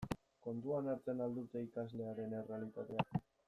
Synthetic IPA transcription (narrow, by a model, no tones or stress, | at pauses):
ko̞nd̪uanaɾt͡se̞nald̪ut̪e̞ikazle̞aɾe̞ne̞realit̪at̪e̞a